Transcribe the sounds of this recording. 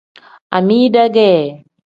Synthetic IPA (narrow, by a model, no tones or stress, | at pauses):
ʔa̰midaɡe